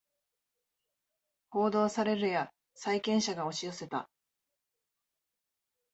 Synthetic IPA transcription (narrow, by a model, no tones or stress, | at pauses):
ho̞ːd̪o̞ːsaɾe̞ɾɯ̟ja | saikẽ̞ɰ̃ɕaɡao̞ɕijo̞se̞t̪a̰